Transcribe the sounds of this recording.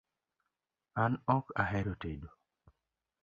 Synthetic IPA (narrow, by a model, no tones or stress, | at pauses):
anɔkaɦɛɾotedo